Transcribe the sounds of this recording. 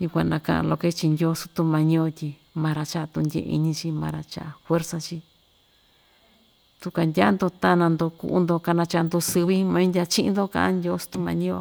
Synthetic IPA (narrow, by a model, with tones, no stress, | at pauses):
ju˧kʷã̰˧nã̰˧kã̰˧ʔã̰˧lo˧ke˦t͡ʃi˧ndʲo˧˦su̥˧t̪u˧mã˧ɲĩ˧o˧tʲi˧ | mã˧ɾa˧t͡ʃa˦˧t̪u˧ndʲḛ˧˨˧ḭ˧ɲĩ˧t͡ʃi˧mã˧ɾa˧t͡ʃa̰˧ʔa˧fwe˦ɾsa˧t͡ʃi˧ | t̪u˧ka˧ndʲa˦nd̪o˧t̪a˦˧nã˧nd̪o˧kṵ˧ʔṵ˧nd̪o˧ka˧nã˧t͡ʃa˧nd̪o˧sɨ˧βi˦mã˧˦ndʲa˧t͡ʃĩ˦ʔnd̪o˦kã̰˧ã˦ndʲo˧˦su̥˧t̪u˧mã˧ɲĩ˦o̰˧